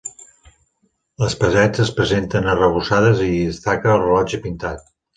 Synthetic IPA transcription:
ləspəzɛd͡zəspɾəzent̪ənərəβ̞usaðəziðəst̪akəːlˠrəlɔd͡ʒəpint̪at̪̚

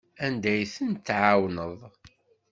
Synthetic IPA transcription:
ænd̪æjθənt̪ːʕawnəðˤ

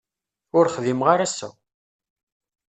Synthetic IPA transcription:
ʊɾχðimʁaɾæsæ̰

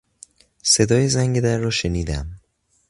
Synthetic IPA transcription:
se̞d̪ɒːje̞zæŋɟe̞d̪æɾːɒːʃe̞niːd̪æm

